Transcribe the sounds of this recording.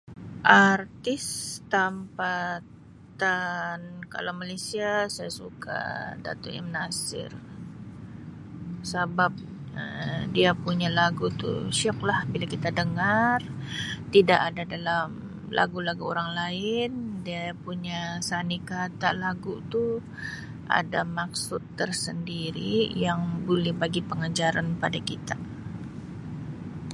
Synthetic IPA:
ʔart̪ɪst̪ampa | tt̪anka̰lawmalesiasajasukʰa̰da̰t̪ʊḭmnasɪ̰r | sabap̚ | ə̰diapuɲalaɡut̪ṵʃɔk̚lahbilakit̪adəŋart̪idaʔadadalam | lʔa̰ɡulaɡuoɾaŋlaɪndiapuɲasanikat̪aʔlaɡut̪u | ʔa̰damaksʊt̪ːərsəndiɾijaŋbulɛhbaɡipəŋad͡ʒaɾanpadakit̪a

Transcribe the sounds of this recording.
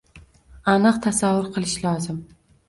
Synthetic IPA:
anɨqt̪ʰasavːʊɾqʰɨlˠɪʃlɒːzɪm

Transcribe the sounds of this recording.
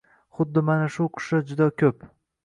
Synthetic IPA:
χʊd̪ːɪmanaʃʊqʰʊ̥ʃad͡ʒʊd̪akʲʰɵp

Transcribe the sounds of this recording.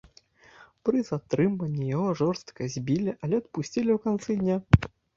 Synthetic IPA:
pɾɨzat̪ɾɨmvɐnʲːijaɣɔʐɔrst̪kɐzʲbʲilʲiʔɐlʲɛɐt̪̚pusʲt͡sʲilʲiwkant̪sɨd̪ʲnʲa

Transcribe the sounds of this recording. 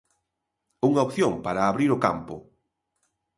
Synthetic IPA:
uŋaopθjoŋpaɾaːβɾiɾʊka̰mpʊ̰

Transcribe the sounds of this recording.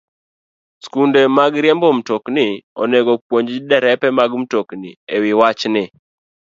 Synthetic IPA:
skundemaɡɾjɛmbom̩toknɪɔneɡopwoɲd͡ʒdɛɾɛpɛmaɡm̩toknḭewɪwat͡ʃnɪ

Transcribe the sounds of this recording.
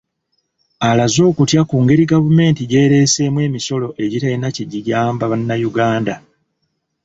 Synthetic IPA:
alazo̞ːkutjakuːŋɡe̞ɾiɡavume̞ːntiɟe̞ːɾe̞ːse̞ːmwe̞ːmiso̞lo̞ʔe̞ɟitainaceɟijaːmbaβanːajuɡaːnda

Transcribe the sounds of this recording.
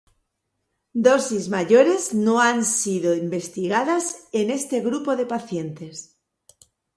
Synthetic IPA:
d̪o̞sizmaʝo̞ɾe̞zno̞ansiðo̞imbe̞st̪iɣaðase̞ne̞st̪e̞ɣɾupo̞ðe̞paθje̞nt̪e̞s

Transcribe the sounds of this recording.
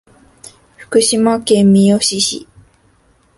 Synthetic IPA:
ɸɯ̟̥kɯ̟ɕimakẽmmʲijoɕiɕḭ

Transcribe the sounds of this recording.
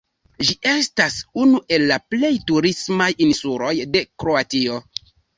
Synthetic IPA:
ʒiʔe̞stasunuʔe̞lːaple̞jtuɾismajinsuɾo̞jde̞kɾo̞atio̞

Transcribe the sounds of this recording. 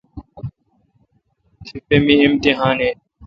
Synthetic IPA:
t̪ʰifeːmiːɪmt̪iɦaːneː

